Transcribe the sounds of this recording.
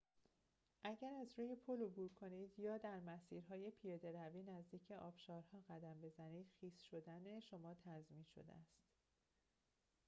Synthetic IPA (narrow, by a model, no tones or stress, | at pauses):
ʔæɟæɾæzɾuːje̞pʰolobuːɾkʰo̞niːd̪jɒːd̪æɾmæsiːɾɦɒːje̞pʰijɒːd̪e̞ɾæviːnæzd̪iːcʰbe̞ʔɒːbʃɒːɾhɒːɣæd̪æmbe̞zæniːd̪̥xiːsʃo̞d̪æne̞ʃo̞mɒːt̪ʰæzmiːnʃo̞̰d̪ḛæst̪